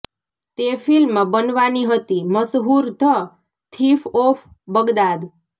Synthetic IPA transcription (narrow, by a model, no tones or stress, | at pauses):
t̪efilmãbənʋaniɦət̪iməsɦuɾt̪ʰə | t̪ʰifof | bəɡd̪ad̪